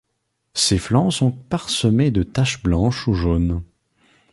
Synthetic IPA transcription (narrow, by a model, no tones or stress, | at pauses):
seflɑ̃sɔ̃paʁsəmed̪ət̪aʃblɑ̃ʃuʒoːn